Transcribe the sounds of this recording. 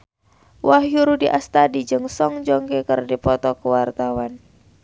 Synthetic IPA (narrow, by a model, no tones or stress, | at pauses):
wʔaɦjuɾudiʔast̪adid͡ʒɨŋsɔŋd͡ʒɔŋkɛkərdipɔt̪ɔkəwart̪awan